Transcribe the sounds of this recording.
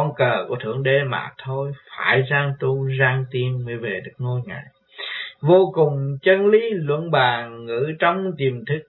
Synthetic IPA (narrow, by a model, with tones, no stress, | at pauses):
ɔ˧nkəː˨˩kṵ˧˩ət̪ʰɨ˧˩əŋɗe˧˩ma̰ː˨˩t̪ʰo˧jfaː˧˩jzaː˧ŋt̪u˧zaː˧ŋt̪i˧əmmɨ˧˦jve˨˩ɗɨ˨˦˥ək̚ŋo˧jŋa̰ː˧˨j | vo˧kʊ˨˩ŋ͡mt͡ɕə˧nli˨˦lwə̰˧˥nɓaː˨˩ŋːɨ̰˧˥t͡ɕɔ˧wŋ͡mt̪i˨˩əmt̪ʰɨ˦˥k̚